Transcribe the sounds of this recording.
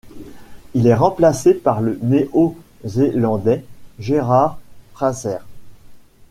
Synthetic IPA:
ilɛʁɑ̃plasepaʁləneʔo | zelɑ̃d̪ɛʒeʁaʁpχazɛʁ

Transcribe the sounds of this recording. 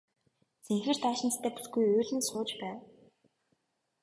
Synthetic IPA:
seŋxɘ̆r̥t̪ʰaːʃɪ̆nt͡s̪t̪ʰæːpi̥ɮɡujɵːɮɘ̆nsχʊːt͡ɕpæːw

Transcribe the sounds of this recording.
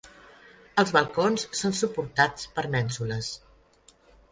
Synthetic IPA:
əlˠzβəlˠkonssonsupuɾt̪at͡spəɾmɛnsuləs

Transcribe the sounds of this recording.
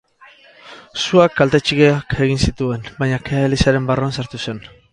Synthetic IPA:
suakːalt̪e̞t͡ʃiɣeake̞ɣ̞insit̪ue̞nbajɲakeaelisaɾe̞mbaroansaɾt̪use̞n

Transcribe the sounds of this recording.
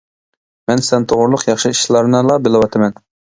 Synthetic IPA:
mɛnsɪlɛnt̪ʰoʁʊɾlˠʊqjɑχʃɨiʃlˠɑɾnɨlˠɑbɪlˠɨwɑt̪ʰɨmɛn

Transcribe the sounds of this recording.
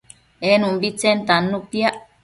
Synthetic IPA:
enũmbit͡sent̪anːũpjaʔ

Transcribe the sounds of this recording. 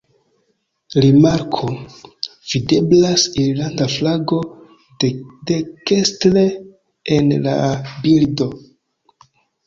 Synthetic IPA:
ɾimaɾkʰo̞ | v̥ide̞blasiɾlandaflaɡo̞ | de̞kestle̞ | enla̰bildo̞

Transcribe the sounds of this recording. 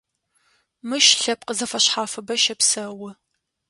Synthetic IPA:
mɨʃɬɐp̚qəzɐfɐɕħaːfɨbɐʃɐpsɐwɨ

